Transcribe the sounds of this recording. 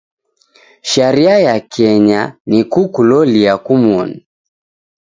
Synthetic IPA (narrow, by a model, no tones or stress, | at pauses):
ʃaɾiajakʰɛɲanikukulɔliakumwɔni